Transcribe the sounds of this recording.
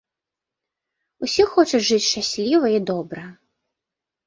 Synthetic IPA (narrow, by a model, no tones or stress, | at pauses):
usʲixɔt͡ʂɐʐɨt͡sʲʃt͡ʂasʲlʲivɐid̪ɔbɾɐ